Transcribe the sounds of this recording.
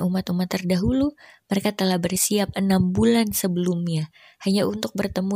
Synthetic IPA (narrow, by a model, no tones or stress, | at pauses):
ʔumat̪umat̪ːərdaɦuluməɾekat̪əlahbərsiap̚ənambulansəbəlumɲa | haɲaunt̪ʊk̚bərt̪əmu